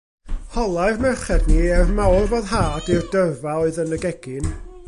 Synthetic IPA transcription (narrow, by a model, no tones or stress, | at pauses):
hɔlˠaɨrmɛrχɛdniɛvmawrboːðɦaːdɪrdəvaɔɨðənəɡɛɡ̥ɪn